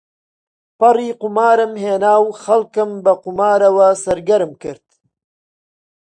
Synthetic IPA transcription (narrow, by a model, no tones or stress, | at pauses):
pɐriːqʊmaːɾɨmɦeːnaːwxɐlkɨmbɐqumaːɾɐwɐsɐɾɡɐɾɨmkɨɾt̪